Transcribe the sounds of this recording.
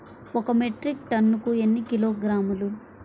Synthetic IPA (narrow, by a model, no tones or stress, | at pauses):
ɔkɐmeʈɾik̚ʈɐnːukuenːikiloːɡɾaːmulu